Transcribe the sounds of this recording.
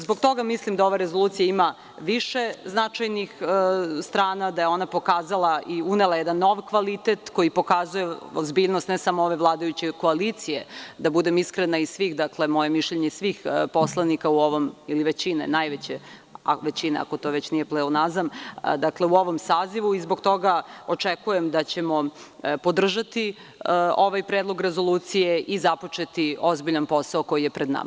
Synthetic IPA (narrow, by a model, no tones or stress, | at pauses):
zbo̞ɡ̚t̪o̞ɡamislimd̪ao̞ʋaɾezolˠuːt̪sijaima | ʋiʃe̞znat͡ʂajnixst̪ɾaːnad̪aje̞o̞napo̞kaːzalˠaʔiunelˠajɛd̪anːo̞ʋkʋalit̪et̪ko̞jipo̞kazuje̞o̰zbiːʎnost̪nesamooʋe̞ʋlˠaːd̪ajut͡ɕeko̞alit̪sijed̪abud̪e̞miskɾenaisʋixd̪akle̞mo̞je̞miʃʎeɲeisʋiːxpo̞slˠanikauoʋomiliʋet͡ɕinḛnajʋet͡ɕe | a̰ʋe̞t͡ɕinḛa̰ko̞t̪oʋe̞t͡ɕnijeplelonaznam̰d̪akle̞uo̞ʋo̞msaːziʋuizboɡt̪o̞ɡaot͡ʂekuje̞md̪at͡ɕe̞mo̞ | po̞d̪r̩ʒat̪i | o̞ʋajpɾeːd̪lˠo̞ɡɾe̞zo̞lˠuːt̪sijeʔizapo̞t͡ʃe̞t̪io̞zbiʎanpo̞saoko̞jije̞pɾed̪na̰ma